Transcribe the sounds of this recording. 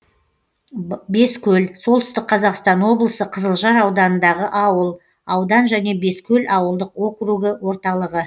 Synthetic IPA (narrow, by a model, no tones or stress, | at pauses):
be̞skʲʰɵlso̞lˠt̪ʏst̪ɪk̚qʰɑzɑqst̪ɑnwo̞blˠəsəqʰəzəlˠʒɑɾɑwd̪ɑnənd̪ɑʁəʔɑwəlˠ | ɑwd̪ɑnʒæne̞be̞skʲʰɵlʔɑwəlˠd̪əqo̞kruɡəwo̞ɾt̪ɑlˠəʁə